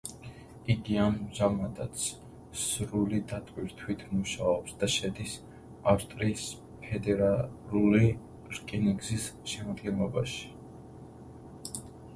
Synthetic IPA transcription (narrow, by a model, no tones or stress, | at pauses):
iɡianʒamat̪ʼat̪sʰ | sɾulid̪at̪ʼwiɾt̪ʰwit̪ʰmuʃaɔpsd̪̥aʃɛd̪is | afst̪ʼɾiːs | pʰɛd̪ɛɾaluli | ɾkʼiniɡzisʃɛmad̪ɡɛnlˠɔbaʃi̥